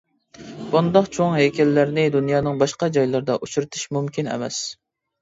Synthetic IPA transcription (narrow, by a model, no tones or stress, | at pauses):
bund̪ɑqt͡ʃʰoŋɦekʲʰɛlːæɾnɪd̪unjɑːnɨŋbɑʃqɑd͡ʒɑjlˠɑɾd̪ɑʔut͡ʃʰuɾɨt̪ʰɨ̥ʃmumkʲinɛ̰mɛ̰s